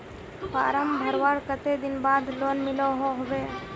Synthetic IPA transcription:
pa̰ːɾəmbʱəɾʋaɾkət̪ed̪ɪnbaːd̪lonmɪloɦoɦobe

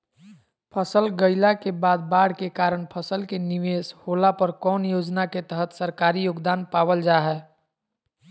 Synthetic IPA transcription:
pʰəsəlɡəɪlakebaːd̪̚baːɽ̤kekaːɾəɳ̃pʰəsəlkenɪʋeːshoːlapəɾkɔːnjoːd͡ʒnaket̪əɦət̪səɾkaːɾijoːɡd̪aːnpaːʋəld͡ʒaːɦɛː

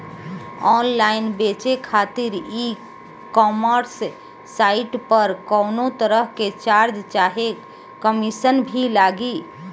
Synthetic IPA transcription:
ɔnlainbet͡ʃekʰat̪iɾi | kɔməɾsː | aiʈpəɾkɔwnot̪əɾəɦket͡ʃaɾd͡ʒt͡ʃaɦe | kəmisənbʱilaɡi

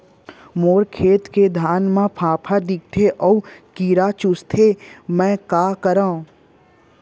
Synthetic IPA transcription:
moːɾkʰeːt̪ked̪ʱaːnmãpʰãːpʰaɖ̪ɪk̚ʈ̪ʰeʔɔːkiːɾat͡ʃʊst̪ʰemɛ̃ːkaːkəɾaːõ

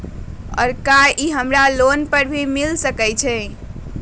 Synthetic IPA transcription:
ɔ̰ːɾkaʔiɦəmɾalonpəɾbʱimilsəkɛjt͡ʃʰɛ

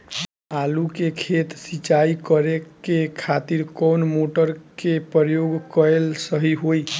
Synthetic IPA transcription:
alukekʰet̪sit͡ʃaikʌɾekekʰat̪iɾkɔwnmoʈəɾkepjoɡkʌɾelsəɦiɦoj

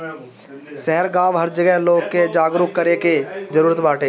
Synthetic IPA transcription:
sɛɦɛɾɡãːʋɦɐɾd͡ʒɐɡɛɦloːɡked͡ʒaːɡɾukkːɐɾeked͡ʒɐɾuːɾət̪baːʈeː

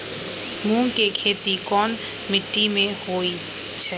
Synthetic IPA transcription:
mũːŋkekʰeːt̪ikɔːn | mɪʈːimẽhoːi | t͡ʃʰɛː

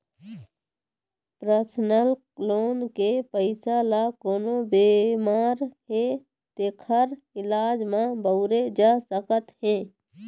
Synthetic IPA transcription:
pɾəsnəl | loːnkepəɪsalakoːnobeːmaːɾɦe | t̪ekʰəɾ | ɪlaːd͡ʒmãbəʊɾed͡ʒaːsəkət̪ɦẽː

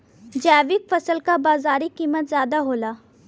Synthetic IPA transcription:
d͡ʒɛːʋɪkfɐsəlkabaːzaːɾikiːmət̪zjaːd̪aɦoːlaː

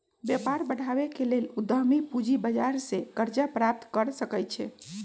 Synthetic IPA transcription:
bjɛpaɾbəɽ̤ʱabekelelud̪ʱəɦmipud͡ʒibəd͡ʒaɾsekəɾd͡ʒapɾap̚t̪kəɾsəkəjt͡ʃʰɛ

